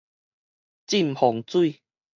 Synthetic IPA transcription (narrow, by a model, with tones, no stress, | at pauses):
t͡ɕi˥˧˨mhɔ˨˩ŋt͡swu˥˧˨